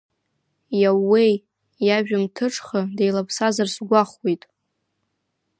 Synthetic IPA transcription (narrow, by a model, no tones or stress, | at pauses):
jawːej | jaʒᶣamtʰɨʈ͡ʂʰʼχədejlapʰsazarsɡʷaχwejtʼ